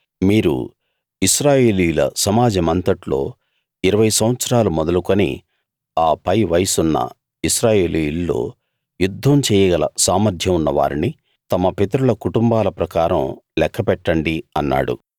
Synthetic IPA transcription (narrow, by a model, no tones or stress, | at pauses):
miːɾṵ | isɾaːje̞ːlijulɐ̰sɐmaːd͡ʒɐmɐnt̪ɐʈlo̞̰ː | iɾɐʋɐjsɐmʋɐt̪sɐɾaːlumɔd̪ɐlukonḭ | aːpɐjʋɐjɐsunːɐ̰ | isɾaːje̞ːlilːo̰ː | jud̪ʱːɐmt͡ʃɛːjɐɡɐlɐ̰saːmɐɾd̪ʱjɐmunːɐʋa̰ːɾini | t̪ɐmɐpet̪ɐɾulɐkuʈumbaːlɐpɾɐkaːɾɐ̰mlɛkʰːɐpɛʈːɐɳɖiɐnːa̰ːɽṵ